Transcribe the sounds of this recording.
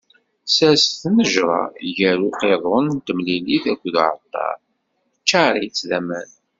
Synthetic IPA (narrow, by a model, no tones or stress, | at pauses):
sæsθnəʒɾˤɑ̰ʝæɾuqeðˤont̪əmliliθækʷːðʕə̰t̪ˤːɑ̰ˤ | t͡ʃːaɾˤit͡sːðæmæn